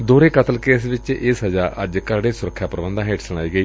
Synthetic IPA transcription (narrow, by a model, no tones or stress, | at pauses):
d̪oːɾeːkət̪əlkeːsʋɪt͡ʃɪːsəd͡ʒaːʔəd͡ʒkəɾɽeːsʊɾəkʰːjaːpəɾəbənd̪ãːɦeːʈsəɽ̃aːiːɡəiː